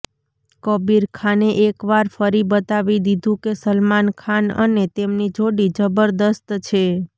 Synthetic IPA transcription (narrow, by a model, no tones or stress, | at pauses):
kəbiɾkʰaneʔekʋaɾfəɾibət̪aʋid̪id̪ʱũkesəlmankʰanə̰net̪emnid͡ʒoɽid͡ʒəbəɾd̪əst̪t͡ʃʰe